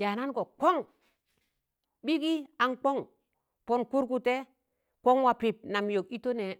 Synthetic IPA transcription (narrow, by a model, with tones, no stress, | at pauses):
ja˨na˦nko˨ko˦ŋ | ɓi˦ki˦a˨nk͡po˦ŋ | po˦nku˦ɾk̬u˦te˦ | ko˦ŋwa˨pi˨p̚na˨mjo˨ki˦to˦ne˨